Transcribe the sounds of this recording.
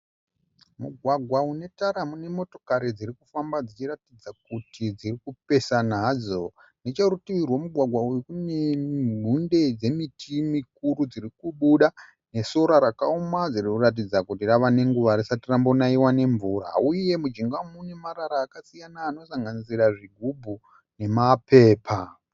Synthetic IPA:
muɡʱwaɡʱwaune̞taɾamune̞mo̞to̞kaɾid͡ziɾikufambad͡zit͡ʃiratid͡zak̚utʰid͡zirikupe̞sanad͡zo̞ | net͡ʃarutiirwo̞muɡʱwaɡʱwaujikunem̤unde̞d͡ze̞mitimik̚uɾud͡zirikuɓuɗa | ne̞so̞ɾaɾakaumad͡zirikurat̬id͡zakutiraʋane̞ŋɡuʋaɾisatirambonaiwane̞ɱvura̰uje̞mud͡ʒiŋɡamunemaɾaɾaːkasijanaːno̞saŋɡaniziraʐiɡʱubʱu | ne̞mapʰe̞ːpʰa

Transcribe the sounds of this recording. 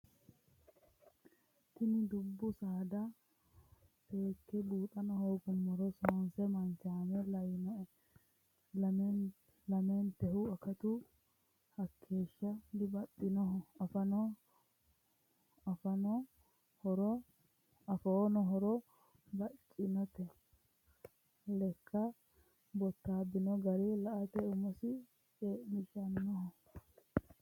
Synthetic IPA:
t̪ɪnɪd̪ʊbːʊsaːd̪ɐ | be̞ːkːɛluːt̪ʼɐnɔhɔɡʊmːɔɾɔsoːnsɛmɐnt͡ʃaːmɛlɐjɪnɔʔɛ | lɐment̪ɛhʊɐkɐt̪ʊ | hɐkʰːe̞ːʃːɐd̪ɪbɐtːɪnɔɦɔɐfɐnɔ | ɐfɐnɔ | hɔɾɔ | ɐfoːnɔɦɔɾɔ | bɐt͡ʃʼːɪnɐt̪ɛ | lɛkʰːɐ | bɔt̪ːaːbːɪnɔɡɐɾɛlɐʔɐt̪ɛʊmɔsɪ | t͡ʃenɪʃɐnnɔɦɔ

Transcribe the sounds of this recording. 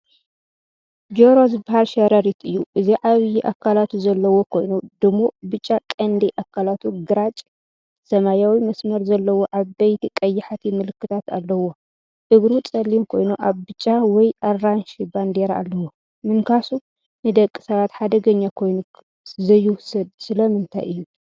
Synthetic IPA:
d͡ʒoɾozɨbahalʃɐɾɐɾit̪ɨjːuʔɨziʕaβjiʔakʰːalat̪ʰuzɐlːɐwo̞kʰo̞jnud̪ɨmːobɨt͡ʃʼːakʼɐnd̪ɐʔakʰːalat̪ʰuɡɨɾat͡ʃʼ | sɐmajawimɐsmɐɾzɐlːɐwoʔaβbɐjt̪ʰikʼɐjːɪħat̪ʰimɨlɨkːɨt̪ʰat̪a̰lːɐwo | ʔɨɡɾut͡sʼɐlːimkʰo̞jnuʔaβbɨt͡ʃʼːawɔjarːanʃiband̪e̞ɾa̰lːɐwo | mɨŋkʰasu | nɨd̪ɐkʼːɨ̥sɐβat̪ħad̪ɐɡɐɲːakʰo̞jnu | zɐjːuwʊsɐd̪̚sɨlɐmɨnt̪ʰa̰jʔɨjːu

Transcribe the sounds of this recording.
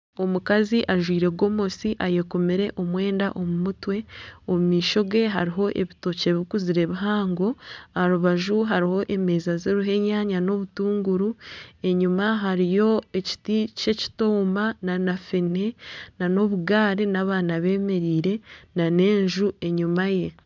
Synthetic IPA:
o̞mukaziʔaʒwiːɾe̞ɡo̞mo̞siʔaje̞komiɾe̞ʔo̞mwe̞ːnda̰ʔo̞mumutwe̞omumiːʃo̞ɡe̞ɦa̰ɾiɦo̞ʔe̞̰βito̞ce̞βikuziɾe̞βiɦaːŋɡo̞aɾuβaʒuɦaɾiho̞ʔe̞me̞ːzazeɾuɦe̞ɲaɲano̞βutuːŋɡuɾue̞ɲumaɦaɾijo̞e̞ci̥tice̞ci̥toːmananafene̞nano̞βuɡaːɾinaβaːnaβe̞ːme̞ɾiːɾe̞nane̞ːɲʒue̞ɲumaje̞

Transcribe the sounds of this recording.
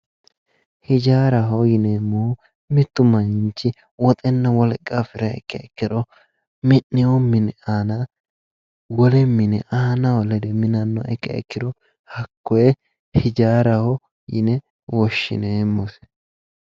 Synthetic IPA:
hɪd͡ʒaːɾɐɦɔjɪneːmːɔ | mɪt̪ːʊmɐjɪnt͡ʃːɪ | wɔt̪ʼɛnːɐwɔlɛkʼːafɪɾɐɛ̰kːɛɛkːɪd̪ɔ | mɪnːɪwɔmɪnɛanɐ | wɔlɛmːɪnɛʔaːnɐwɔlɛd̪ɛmɪnɐnːɔʔɛkːɛ̰ɛ̰kːɪd̪ɔ | hɐkːɔɛ | hɪd͡ʒaːɾɐhɔ | jɪ̰nɛ | wɔʃːɪ̰neːmːɔs

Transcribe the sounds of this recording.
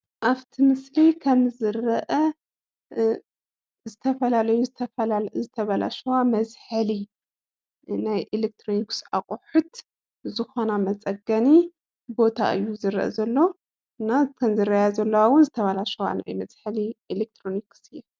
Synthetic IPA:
ʔaβt̪ʰimɨslikʰɐmzɨɾɐʔɐ | zɨt̪ʰɐfɐlalɐjuzɨt̪ʰɐfɐzɨt̪ʰɐβɐla̰ʃɐwamɐzħali | najʔelek̚t̪ʰɾoniksa̰χʼʊħut̪ | zɨxo̞namɐt͡sʼɐɡɐni | bo̞t̪ʰa̰ʔɨ̰jːuzɨɾɐ̰ʔɐ̰zɐlːo̞ | ɨnːakʰɐmzɨrɐjazɐlːɐwawʊnzɨt̪ʰɐβɐlaʃɐwa̰na̰jmɐzħalielek̚t̪ʰɾoniksɨjːɛ

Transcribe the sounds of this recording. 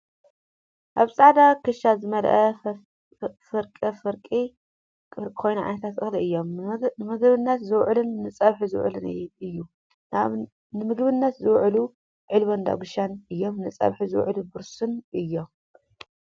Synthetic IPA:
ʔaβsʼaʕd̪akʰɨʃazɨmɐlʔɐ | fɨɾkʼɐfɨɾkʼi | kʼkʰo̞jnaʕa̰nɐt̪ʰat̪ɨxliʔɨjːo̞mɨmɨɡβɨnːɐt̪zɨwʕlɨnːɨt͡sʼɐβħizɨw̰ʕlɨna̰jɨjːu | aβ | nɨmɨɡbɨnːɐt̪zɨwʕlu | ʕɨlβond̪a̰ɡʊʃanɨjːo̞mnɨt͡sʼɐ̰βħizɨw̰ʕlubɨɾsunʔɨjːo̞m

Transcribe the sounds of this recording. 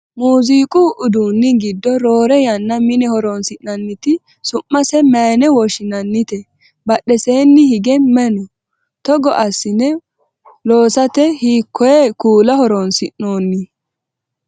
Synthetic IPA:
muːziːkʼuʔʊd̪uːnːɪɡɪd̪ːɔɾo̞ːɾɛjɐnːɐmɪnɛhɔɾɔnsɪʔnɐnːɪt̪ɪ | sʊmːɐsɛmɐːnɛwɔʃɪnɐnːɪt̪ɛ | bɐɗːɛseːnːɪhɪɡɛmɛnɔ | t̪ɔɡɔʔɐsːɪnɛ | loːsɐt̪ɛhiːkʰːɔjɛkuːlɐhɔɾɔnsɪʔno̞ːnːɪ

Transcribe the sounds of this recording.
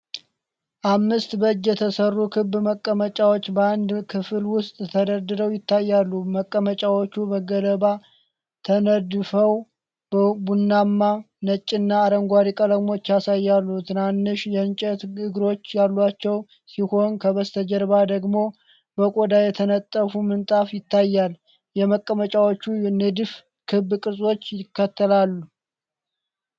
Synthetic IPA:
ʔamːɨst̪bəd͡ʒjɛt̪ʰəsərːukʰɨbːməkʼːəmət͡ʃʼawo̞t͡ʃːbəand̪kʰɨfɨlwʊst̪ʼt̪ʰəd̪əɾd̪ɨɾəwjɪt̪ːajːalːuməkʼːəmət͡ʃʼawo̞t͡ʃːubəɡələβa | t̪ʰənəd̪fəw | b̥əbunːamːa | nət͡ʃʼːɪnːaːɾəŋɡʷaɾikʼələmo̞t͡ʃːjasajːalːut̪ʰɨnanːɨʃjɛɨnt͡ʃʼɛt̪ɨɡɾo̞t͡ʃːjalːat͡ʃːɛw | siho̞nkʰəβəst̪ʰəd͡ʒəɾβad̪əɡmo̞ | bəkʼod̪ajɛt̪ʰənət̪ʼːəfumɨnt̪ʼafjɪt̪ːajːal | jɛməkʼːəmət͡ʃʼawot͡ʃːunɨd̪f | kʰɨbkʼɨsʼo̞t͡ʃːjɪkːət̪ʰːəlalːu

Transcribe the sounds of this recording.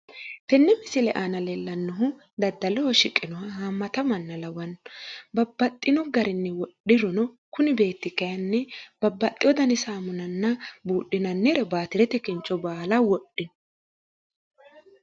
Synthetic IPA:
t̪ɛnːɛmɪsɪlɛʔaːnɐlɛlːɐnːɔɦʊ | d̪ɐd̪ːɐlɛhɔʃɪkʼːɪnɔwɐhaːmːɐt̪ɐmɐnːɐlɐwɐnbɐbːɐt̪ʼːɪnɔɡɐɾɪnːɛwɔɗɪɾɔnɔ | kʊnɪbe̞ːt̪ːɪkɐjɐnːɛb̥ɐbːɐt̪ʼːɪjɔd̪ɐnɪsaːmʊnɐnːɐbuːɗɪnɐnːɛɾɛbaːt̪ɪɾɛt̪ɛkɪnt͡ʃʼːɔbaːlɐwɔɗːɪnɔ

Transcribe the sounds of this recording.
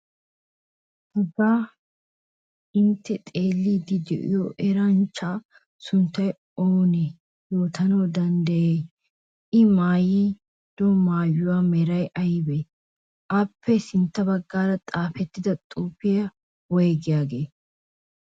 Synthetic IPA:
hɐzaː | ɪnt̪ːɛt̪ʼe̞ːlːiːd̪ɪd̪ɛ̰ʔɪ̰joʔɛɾɐnt͡ʃːaː | sʊnt̪ːɐj | oːnɛ | jo̞ːt̪ʰɐnɐd̪ɐnd̪ɐjeː | ʔɪmaːji | d̪̥ɔmaːjʊwaːmɛɾɐjʔɐjɪbɛ | ʔɐpʰːɛsɪnt̪ːɐbɐɡːaːɾɐt̪ʼaːfɛt̪ːɪd̪ɐt̪ʼuːpːɪjɐ | wɔjɡɪjaːɡe̞ː

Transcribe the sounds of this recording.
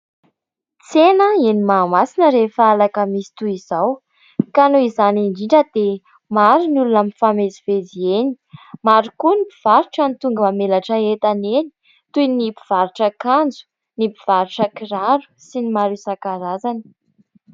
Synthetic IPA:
t͡senəenimamasinəɾefəalakəmisi̥t̪uizaw | kanoizaniɳɖ͡ʐiɳɖ͡ʐəd̪̥e | maɾunulunəmifameziv̥ezieni̥ | maɾukunipiv̥aɾuʈ͡ʂanit̪uŋɡəmamelaʈ͡ʂəet̪aneni̥ | t̪ujnipi̥v̥aɾuʈ͡ʂəkand͡zu̥ | nipiv̥aɾuʈ͡ʂəkiɾaɾu̥sinimaɾusakaɾazanə̥

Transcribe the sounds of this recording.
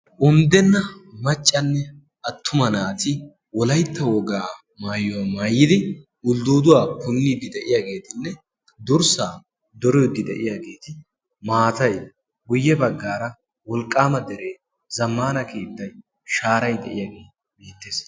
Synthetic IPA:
ʔʊmd̪ɛnːɐmɐt͡ʃʼːɐnːɛ | ɐt̪ʰːʊmɐnaːt̪ɪ | wɔlɐjt̪ʰːɐwɔɡaː | maːjːɔwamaːjːɪd̪ɪ | ʊld̪uːd̪ʊwaːpʊnːid̪ɪd̪ɛʔɪjaːɡe̞ːt̪ɪnːɛ | d̪ʊɾsaː | d̪ɔɾɔjd̪ːɪd̪ɛ̰ʔɪjaːɡe̞ːt̪ɪ | maːt̪ɐj | ɡʊjːɛbɐɡːaːɾɐ | wɔlkʼːaːmɐd̪ɛɾeː | zɐmːaːnɐkiːd̪ːɐj | ʃaːɾɐjd̪ɛ̰ʔɪjaːɡeː | beːt̪ːeːs

